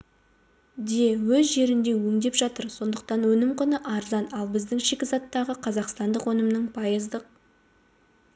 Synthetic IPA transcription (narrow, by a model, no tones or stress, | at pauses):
d̪e̞wɵzʒe̞ɾɪnd̪e̞wɵŋd̪e̞pʒɑt̪əɾso̞nd̪əq̚t̪ɑnwɵnɪmqʊnəʔɑɾzɑnɑlˠbɪzd̪ɪŋʃekʲɪzɑt̪ːɑʁəqʰɑzɑqst̪ɑnd̪əqwɵnəmnəɴpʰɑjəzd̪əq̚